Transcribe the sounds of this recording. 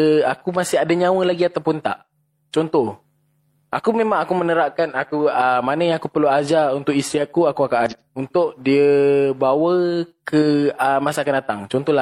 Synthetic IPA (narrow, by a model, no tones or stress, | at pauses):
akumasɪɦadaɲãwəlaɡiat̪awpʊnt̪a̰ʔ | t͡ʃɔnt̪ɔh | ʔakumemãŋakumənəɾaʔkanakuəmanəjaŋakupərluad͡ʒaunt̪ʊʔist̪iakuakuakaʔaunt̪ʊʔdiəbawəkəəmasakanat̪aŋt͡ʃɔnt̪ɔhla